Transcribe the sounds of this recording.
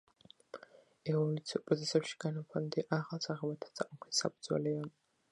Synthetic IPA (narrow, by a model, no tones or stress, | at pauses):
ɛvɔlut̪sʰiɔpʼɾɔt̪ʰɛsɛpʃi̥ɡ̥anapʰɔnd̪ɛʔaʁalˠsaʁɛbat̪ʰat̪sʰʼaqʼɔkʰissa̰pʼud̪zwɛ̰lɛa